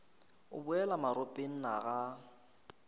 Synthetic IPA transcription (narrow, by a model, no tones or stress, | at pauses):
ʊ̰bʊɛlamaɾʊpʼen̩na̰ɣa